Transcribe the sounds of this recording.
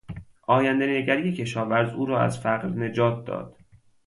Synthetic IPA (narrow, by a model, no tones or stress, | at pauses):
ʔɒːjænd̪eneɟʲæɾijecʰe̞ʃɒːvæɾzuːɾɒːæ̰z̥fæɣɾne̞d͡ʒɒːt̪̚ʰd̪ɒ̰ːd̪̥